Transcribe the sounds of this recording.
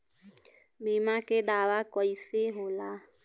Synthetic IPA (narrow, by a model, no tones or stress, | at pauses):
biːmaked̪aːʋakoːiseɦoːlaː